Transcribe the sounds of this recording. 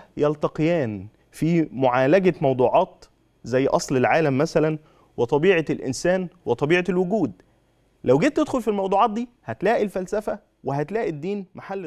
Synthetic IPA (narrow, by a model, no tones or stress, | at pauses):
jɑlt̪ɑqejæːn | fiːmoʕaːlæɡæmɑwd̪ˤuːʕɑːt̪ | zæjːʔɑsˤlelʕaːlæmːæsælæn | wet̪ˤɑbiːʕɑlʔɪ̰nsæːnwet̪ˤɑbiːʕɑlwʊɡuːd̪ | læwɡeːt̪ːed̪xolfilmɑwd̪ˤuːʕɑːt̪̚d̪iːhæt̪læːʔilfælsæfæ | weɦæt̪læːʔid̪ːiːnmaħalː